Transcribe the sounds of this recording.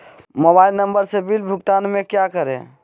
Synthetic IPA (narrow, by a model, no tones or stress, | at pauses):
mobailnəmbəɾsebilbʱukt̪anmekjakəɾḛ̃